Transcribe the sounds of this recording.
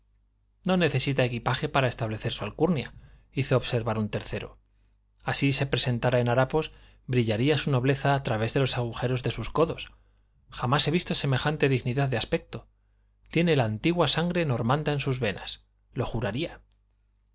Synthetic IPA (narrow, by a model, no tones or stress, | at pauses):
no̞ne̞θe̞sit̪ae̞kipaxe̞paɾae̞st̪aβle̞θe̞ɾsualkuɾnja | iθoːβse̞ɾβaɾunt̪e̞ɾθe̞ɾo̞̰ | asise̞pɾe̞se̞nt̪aɾaenaɾapo̞s | bɾiʎaɾiasuno̞β̞le̞θaːt̪ɾaβe̞zðe̞lo̞saɣ̞uxe̞ɾo̞zðe̞susko̞ðo̞s | xamase̞βist̪o̞se̞me̞xant̪e̞ðiɣniðaððeaspe̞k̚t̪o̞ | t̪je̞ne̞laːnt̪iɣwasaŋɡɾe̞no̞ɾmãnd̪aensuzβe̞na̰s | lo̞xuɾaɾia